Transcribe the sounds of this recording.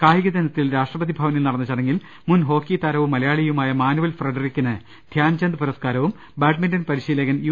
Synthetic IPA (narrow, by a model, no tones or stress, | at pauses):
kaːjiɣɐd̪ɐnɐt̪ːilɾaːʂʈrɐpɐðibʱaːʋɐnilnɐɽɐnːit͡ɕːɐɽeŋɡil | munɦo̞ːkːit̪aɾɐʋumːɐlɐjaːɭijumaːjɐmaːnuʋɐlfrɐɖɐrikʲːunːɐ | d̪ʱjaːnt͡ɕɐnd̪ɨpuɾɐskaːɾɐʋum | baːʈmindɐnpɐɾiɕiːlɐɣɐnju